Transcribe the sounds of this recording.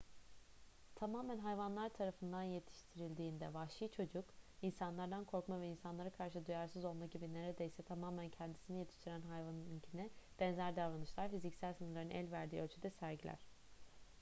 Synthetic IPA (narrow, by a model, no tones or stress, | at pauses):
t̪ʰamaːmænɦajvanlˠaɾt̪ʰaɾafɯnd̪anje̞t̪ʰi̥ʃt̪ʰiɾilʲd̪iːnd̪ɛvaʃɯːt͡ʃʰo̞d͡ʒukinsanlˠaɾd̪ankʰo̞ɾkmavɛinsanlˠaɾakʰaɾʃɯd̪ujaɾsɯzolˠmaɟibineɾed̪e̞jsɛt̪ʰamaːmæncʰɛnd̪i̥sinijet̪ʰi̥ʃt̪ʰiɾænɦajvanɯcʰinɛb̥ɛnzæɾd̪avlˠanɯʃlˠaɾfizicsælʲsɯnɯɾlˠaɾɯnʔɛ̰lʲvæɾd̪iːølʲt͡ʃʰyd̪ɛsæɾɟilʲæ̰ɾ̥